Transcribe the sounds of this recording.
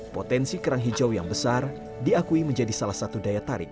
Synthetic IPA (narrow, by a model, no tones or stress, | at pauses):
pot̪ɛnsikəɾaŋɦid͡ʒawjaŋbəsar | diakuiməɲd͡ʒadisalahsat̪udajat̪aɾɪ̰k̚